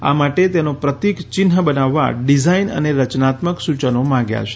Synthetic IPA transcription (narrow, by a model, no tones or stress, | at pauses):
a̰maʈet̪enopɾət̪ikt͡ʃɪnɦəbənaʋːa̰ɖizainə̰neɾət͡ʃnat̪məksut͡ʃənomãŋɡja̰t͡ʃʰe̥